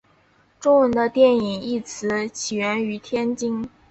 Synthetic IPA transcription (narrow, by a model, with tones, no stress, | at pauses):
ʈ͡ʂʊ˥ŋwə˧˥nd̪ə˧t̪jɛ˥˩ni˨˩ŋi˥˩t͡sʰɹ̩˧˥t͡ɕʰi˨˩ɥɛ˧˥ny˧˥t̪ʰjɛ˥nt͡ɕi˥ŋ